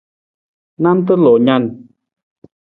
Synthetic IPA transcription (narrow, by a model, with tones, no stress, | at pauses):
na˦˥mt̪ə˦lo˨ɲa˧n